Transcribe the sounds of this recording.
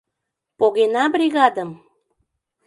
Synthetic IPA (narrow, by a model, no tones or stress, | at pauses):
poɣenabɾiɣad̪əm